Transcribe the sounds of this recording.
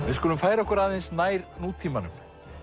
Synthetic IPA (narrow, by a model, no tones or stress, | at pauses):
vɪðskɔlʏmfaːjɾaɔhkʏɾaːðensnaːjɾnuːt̪ʰːiːmanʏ̰m